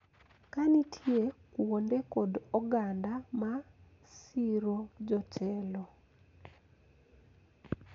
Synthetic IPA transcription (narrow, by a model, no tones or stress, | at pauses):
kanitʰjekwondekɔdɔɡandama | siɾod͡ʒɔt͡ʃɛlɔ